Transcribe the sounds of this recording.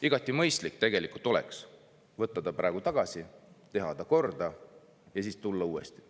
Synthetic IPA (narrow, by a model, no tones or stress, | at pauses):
iɡ̥ɑt̪ʲːˑimɤjst̪likːt̪e̞ɡe̞likult̪o̞lḛks | vɤt̪ːɑd̪̥ɑpɾɑ̰ˑeɡ̥ut̪ɑɡ̥ɑsit̪e̞ɦɑd̪̥ɑko̞rd̪̥ɑ | jɑsiːst̪ulːɑuːḛst̪i̥